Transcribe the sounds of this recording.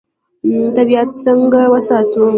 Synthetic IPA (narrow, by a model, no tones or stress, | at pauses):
tɐbiatsɐŋɡawɐsaːto